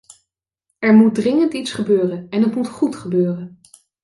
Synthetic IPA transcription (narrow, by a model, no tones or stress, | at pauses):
ɛɹmut̚drɪŋəntitsχəbøːrənɛnɦətmutχutχəbøːrən